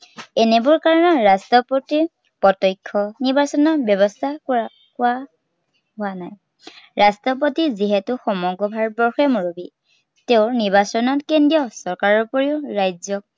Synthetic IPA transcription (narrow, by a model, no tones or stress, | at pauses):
ɛnɛbʊɹkaɹɔnɔɹastɔpoti | pɔtɔjkʰːɔniɹbasɔnɔbjɔβɔstʰak | kʊwa | ɦoanaj | ɹastɔpotiziɦɛtʊxɔmɔɡɔbʱaɹbɔɹxɛmoɹobi | teʊniɹbasɔnɔtkendijɔsɔɹkaɹɔupɔɹiʊɹajzɔk̚